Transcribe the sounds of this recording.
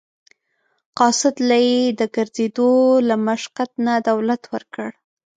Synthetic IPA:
qɑsɪd̪lajed̪əɡəɾzed̪olamaʃqat̪nad̪awlat̪wəɾkəɽ

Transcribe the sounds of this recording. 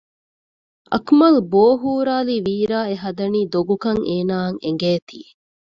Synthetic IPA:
ʔɐ̰kmɐlboːɦuːɾaːliːʋiːɾaːeɦɐd̪ɐniːd̪oɡukɐŋeːnaːŋeŋɡeːt̪iːe

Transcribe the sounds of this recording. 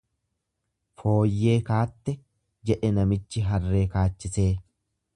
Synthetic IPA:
fo̞ːjːe̞ːkaːt̪ːɛ | d͡ʒɛʔɛnɐmɪt͡ʃːɪɦɐrːe̞ːkaːt͡ʃːɪse̞ː

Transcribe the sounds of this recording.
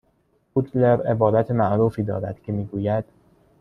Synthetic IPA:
put̪ʰleɾebɒːd̪æt̪ʰemæʔɾuːfiːd̪ɒ̰ːɾæ̰d̪̥cʰe̞miːɡuːjæd̪̥

